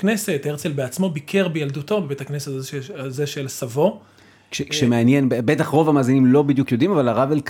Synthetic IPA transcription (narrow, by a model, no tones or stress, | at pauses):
kne̞se̞t̪eʁt͡selbeat͡smo̞bikʰe̞ʁbejald̪uto̞bebet̪hakne̞setazʃazeʃelsavo̞ | kʃekʃemeanjenbebet̪aχʁo̞vamaːzinimlo̞bid̪jukjo̞d̪imavalaʁavelk